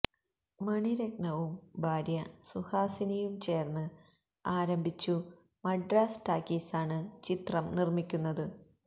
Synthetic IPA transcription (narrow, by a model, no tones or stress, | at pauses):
mɐɳiɾek̚nɐʋumbʱaːɾjɐsuhaːsinɐjumt͡ɕe̞ːrnːɨ | aːɾɐmbʱit͡ɕːu | mɐɖraːsʈaːkːisaːɳɨt͡ɕit̪rɐmnirmikʲːunːɐðɨ